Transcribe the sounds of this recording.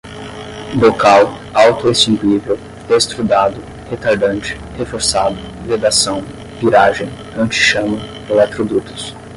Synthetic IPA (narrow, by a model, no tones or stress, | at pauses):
bokaw | awt̪ʊesĩŋkwivew | d̪est̪ɾud̪ad̪ʊ | het̪aɾd̪ɐ̃nt͡ʃɪ̥hefoɾsad̪ʊ | ʁed̪asɐ̃w̃ | piɾaʒẽj̃ | ɐ̃nt͡ʃɪ̥ʃɐ̃mɐ | elɛt̪ɾod̪ut̪ʊ̥s